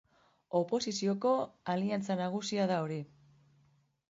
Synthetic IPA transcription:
o̞po̞sisio̞ko̞aliant͡sanaɣ̞usiaðao̞ɾi

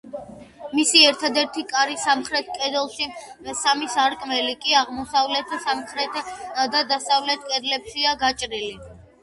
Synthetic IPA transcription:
misiɛɾt̪ʰad̪ɛɾt̪ʰikʼaɾisamχɾɛt̪ʰkʼɛd̪ɛlˠʃi | samisaɾkʼmɛlikʼiaʁmɔsavlɛt̪ʰsamχɾɛt̪ʰd̪ad̪asavlɛt̪̚ʰkʼɛd̪lɛpʃiaɡat͡ʃʼɾili

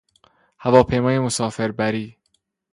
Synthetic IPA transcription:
hævɒːpʰe̞jmɒːjemosɒːfe̞ɾbæɾiː

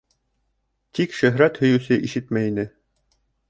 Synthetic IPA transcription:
t̪ikʃɵ̆ɦɾæt̪hɵ̆jɵ̆sɘʔiʃɘt̪mæinɘ

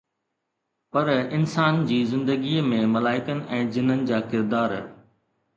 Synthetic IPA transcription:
pɐɾɪnsaːnd͡ʑiːzɪ̃nd̪əɡiːmẽmɐlaːɪkənɪ̆ʔɛ̃ːd͡ʑɪnənɪ̆d͡ʑaːkɪɾd̪aːɾ

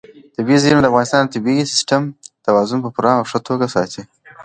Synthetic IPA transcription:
t̪ɪbiznd̪afɣɑnɪst̪ɑnd̪ət̪abisɪ̥sʈamt̪awɑzʊnpəpuɾɑawʂət̪ʰoɡasɑt̪ʰi

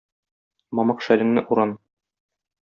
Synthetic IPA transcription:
mɒmɑqʃælɘ̆ŋnɘʔuɾɑn

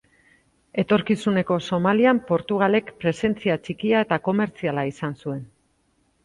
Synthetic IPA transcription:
e̞t̪o̞ɾkisune̞ko̞so̞maliampo̞ɾt̪uɣ̞ale̞kpɾe̞se̞nt͡siat͡ʃikiae̞t̪ako̞me̞ɾt͡sialaisansue̞n

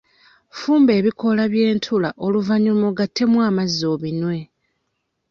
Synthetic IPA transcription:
fuːmbe̞ːβiko̞laβje̞ːntʰulaʔo̞luvaɲumoɡatʰːe̞mwaːmazːo̞ːβinwe̞

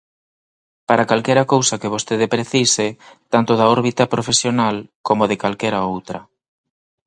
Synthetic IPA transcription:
paɾakalkɛɾɐkowsɐkeβ̞ost̪eðepɾeθisɪt̪ant̪ʊðaɔɾβit̪ɐpɾofesjonalkomoðekalkɛɾaowt̪ɾɐ

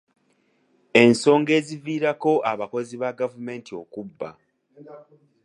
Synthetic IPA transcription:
e̞nso̞ːŋɡe̞ːziviːɾako̞ʔaβako̞ziβaɡavume̞ːntio̞kubːa̰

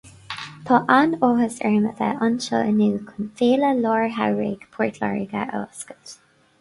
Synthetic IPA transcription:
t̪ʰɔʔanoːhəsɛɹmətɛ̰ʔɑnʃɔ̰ːənuːkʰʊnfeːləlɔːɹɦawɹḛːɡ̥pʰɔɹtʰla̰ɹiɡaʔɔ̰ːskə̥t

